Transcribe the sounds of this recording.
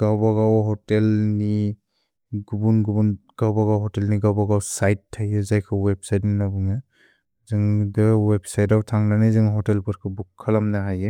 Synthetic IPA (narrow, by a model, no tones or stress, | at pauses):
ɡ̥awbaɡawɦɔtelni | ɡubunɡubunɡ̥awbaɡawɦɔtelniɡawbaɡawsajtʰːajezajkʰɯweb̚sajtninabɯŋɯ | zɯŋdɯweb̚sajtawtʰaŋnanɯzɯŋɦɔtelpɯɾkʰɯbukʰːalamnaɦaje